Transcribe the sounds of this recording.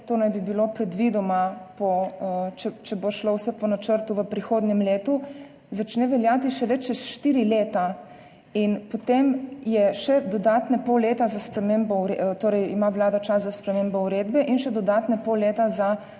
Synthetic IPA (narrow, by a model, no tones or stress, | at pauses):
t̪oːnajbibilopɾɛd̪ʋid̪ɔmapɔt͡ʃɛt͡ʃɛboʃlowsɛpɔnat͡ʃəɾt̪uʋəpɾixoːd̪nɛmleːt̪u | zat͡ʃnɛʋɛljaːt̪iʃɛlɛt͡ʃɛsʃt̪iːɾileːt̪a | inpot̪emjɛʃɛd̪ɔd̪aːt̪nɛpɔwleːt̪azaspɾɛmeːmbɔuɾet̪oːɾɛjimaʋlaːd̪at͡ʃaszaspɾɛmeːmbɔuɾeːd̪bɛʔinʃɛd̪ɔd̪aːt̪nɛpowleːt̪aza